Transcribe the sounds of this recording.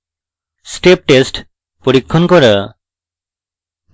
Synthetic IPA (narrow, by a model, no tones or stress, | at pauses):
sʈep̚ʈesʈ | pɔɾikʰːɔnkɔɾa